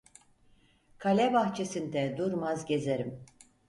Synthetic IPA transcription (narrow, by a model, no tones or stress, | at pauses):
kʰalʲɛbaxt͡ʃʰe̞sind̪ɛd̪uɾmazɟezeɾim